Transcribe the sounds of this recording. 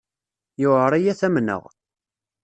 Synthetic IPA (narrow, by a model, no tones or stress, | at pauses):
jʊəɾˤæjæθæmnə̰ʁ